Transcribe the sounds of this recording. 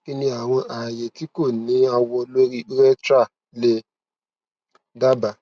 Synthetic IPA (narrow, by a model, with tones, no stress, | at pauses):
ki˦nĩ˧a˨w̃ɔ̃˧ʔa˨je˨ti˨˦ko˦˨nĩ˨˦a˧wɔ˧lo˦ɾi˦ʔu˦ɾɛ˦tɾa˦˨ | le˧ | da˦ba˨